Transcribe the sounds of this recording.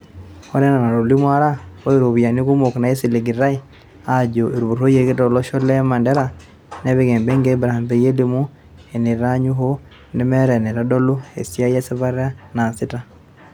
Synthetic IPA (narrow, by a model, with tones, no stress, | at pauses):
ɔ˦nɛ˦na˨na˨ɾo˨li˦mwa˦ɾa˦o˦e˦ɾo˨βi˨a˨ni˦ku˦mo˨kna˨e˦si˨le˨ɡi˨ɾa˦i | a˨ɟo˨ʔe˨ɾu˨βu˨ɾo˦je˨ɣe˦tɔ˨lɔ˦ʃɔ˦lɛ˦ma˨ndɛ˦ɾa | ne˦βeɣɛː˨mbe˦ŋɡe˦bɾaa˨mbe˨je˦limu˦ | e˨ne˨ɾa˦ɲu˦ɦo˦ | ne˦mɛ˦ɾɛ˨ne˨ɾa˦dɔ˦lo˦ḛ˨sja˦je˦si˦βa˦ɾa˦na˨si˦ta˦